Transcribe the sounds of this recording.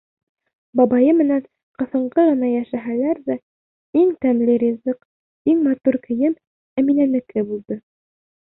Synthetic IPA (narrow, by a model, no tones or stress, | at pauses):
bɑbɑjɤmɘ̆næn | qɤ̆θɤ̆ɴɢɤʁɤ̆nɑjæʃæɦælæɾðæ | iŋt̪æmlɘɾʲizɘq | iŋmɑt̪uɾkɘ̆jɘm | æminænɘ̆kɘbulˠd̪ɤ